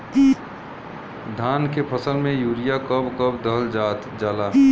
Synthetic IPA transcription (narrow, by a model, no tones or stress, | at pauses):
d̪ʱaːnkepʰəsəlmẽjuːɾijakəbkəbd̪əɦld͡ʒaːt̪d͡ʒaːlaː